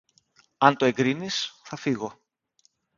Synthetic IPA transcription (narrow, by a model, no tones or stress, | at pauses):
ɐnt̪o̞e̞ŋɡɾinisθɐfiɣo̞